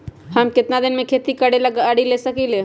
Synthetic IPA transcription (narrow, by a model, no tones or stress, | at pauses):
hɐmkɪt̪nad̪ɪnmẽkʰeːt̪ikɐɽelɡəɽilesɐkile